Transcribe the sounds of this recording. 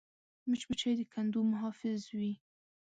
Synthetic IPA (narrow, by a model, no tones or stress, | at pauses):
mɪt͡ʃbət͡ʃajd̪əkʰand̪umʊɦɑfɪzwi